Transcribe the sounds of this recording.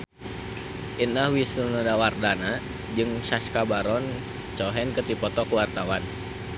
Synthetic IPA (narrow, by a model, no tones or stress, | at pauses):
ʔinahwisənadawardana | d͡ʒɨŋʃaskabaɾɔn | t͡ʃɔɦɛnkət̪ipɔt̪ɔkəwart̪awan